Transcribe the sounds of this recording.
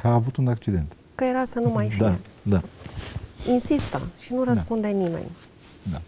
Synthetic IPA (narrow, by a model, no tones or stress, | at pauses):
kaːvut̪unak̚t͡ʃid̪e̞̰nt̪ | kəjeɾasənumajfiae | d̪a | insist̪ə̰ʃinuɾəspund̪enimḛnʲ | d̪a